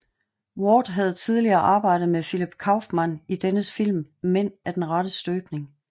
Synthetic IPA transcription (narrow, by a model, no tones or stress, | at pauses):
wɒːd̥ɦæð̞̩ˠt͡sʰiðˠliɐːʔɑ̈ːb̥ɑ̈ɪ̰ɾ̥ð̩ˠmefilib̥kʰɑ̈ʊfmænid̥enəsfil̰mmen̰æɐd̥enʁɑ̈ɾəsd̥øːb̥ne̝ŋ